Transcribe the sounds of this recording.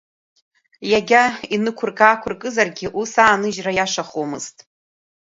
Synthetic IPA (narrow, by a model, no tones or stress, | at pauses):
jaɡʲainɨkʷʰʊrkaːkʷʰʊrkʼɨzarɡʲɪʔusaːnɨʒrajaʂaχomɨztʼ